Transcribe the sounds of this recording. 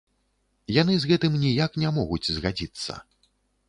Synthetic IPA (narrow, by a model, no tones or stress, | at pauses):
janɨzɣɛt̪ɨmnʲijaknʲamɔɣut͡sʲzɣad͡zʲit̪sːɐ̰